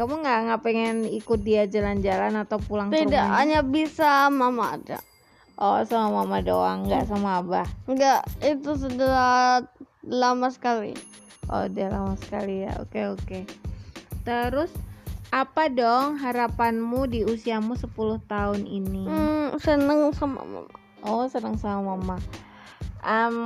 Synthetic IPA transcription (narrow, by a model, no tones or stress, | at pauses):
kamuŋɡaʔŋɡaʔpɛŋɛnikʊt̪̚diad͡ʒaland͡ʒalanat̪awpulaŋt̪idaʔɦaɲabisamama̰ːda̰ | ʔɔsamamamadoaŋɡaʔsamaːbahŋɡaʔit̪us̬ədəɾa | lamasə̥kalḭ | ʔo̰dalamasə̥kalija̰o̰keoke | t̪əɾʊsʔapadɔŋɦaɾapanmudiusiamusəpulʊht̪aʊninisənəŋsama̰ma̰ma | ʔɔsənəŋsamamama | ʔəm